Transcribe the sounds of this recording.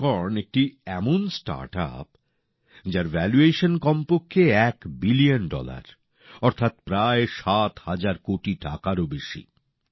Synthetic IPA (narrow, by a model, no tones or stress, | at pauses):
ɔɾnek̚ʈiɛmonsʈa̰ɾʈa̰p̚ | d͡ʑaɾvɛlueʃonkɔmpokʰːeɛkbilijonɖɔ̰la̰ɾ | ɔɾt̪ʰat̪pɾaeʃat̪had͡ʑaɾkoʈiʈakaɾobeʃḭ